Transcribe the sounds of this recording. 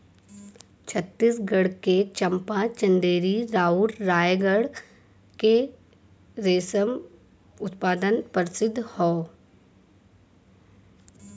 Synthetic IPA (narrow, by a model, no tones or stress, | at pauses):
t͡ʃʰət̪ːiːsɡəɽket͡ʃə̃mpãt͡ʃə̃nd̪eːɾiɾaːuːɾɾaːjɡəɽ | ke | ɾeːsəm | ʊt̪paːd̪ənpəɾɪsɪd̪ʱːhɔː